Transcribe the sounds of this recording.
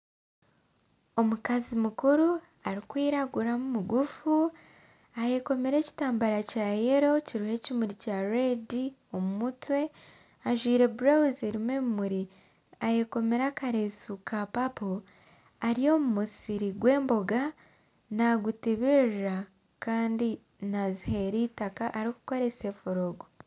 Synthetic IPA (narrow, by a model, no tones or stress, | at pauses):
o̞mukazimukuɾu | aɾikwiːɾaɡuɾamumuɡufu | aje̞ko̞meɾe̞ːci̥taːmbaɾacaːjeɾo̞ciɾuhe̞cimuɾicaɾedio̞mumutwe̞ | aʒwiːɾe̞buɾawuzeɾimwemumuɾi | aje̞ko̞meɾakaɾesukʰapapo | aɾijo̞ːmumusiɾiɡwe̞ːmbo̞ɡa | naɡutiβirɾa | kaːndi | nazihe̞ɾiːtakaʔːɾiku̥ko̞ɾe̞se̞foɾoɡo